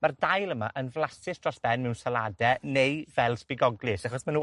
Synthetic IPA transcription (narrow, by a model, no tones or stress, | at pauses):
mardajlˠəmaʔənvlˠasɪsdrɔsb̥ɛnmɛwnsaladɛnejvɛlˠspɪɡɔɡlˠɪsaχɔsmanu